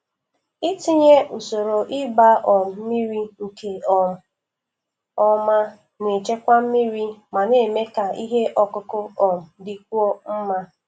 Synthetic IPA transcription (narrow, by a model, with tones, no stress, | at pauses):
ɪ˦ti˦ɲe˦ʔu˨so˨ɾo˨ʔɪ˦ba˦ʔɔ˨m̩˨m̩˦mi˦ɾi˦ŋ̩˨ke˨ɔ˨m̩˨ | ɔ˦ma˦ | ne˨t͡ʃe˦kʷa˦m̩˦mi˦ɾi˦ma˨ne˨me˦ka˨i˦ɦe˦ʔɔ˦kʊ˦kʊ˦ɔ˨m̩˨dɪ˨k̚ʷu˦ɔ˦m̩˦ma˦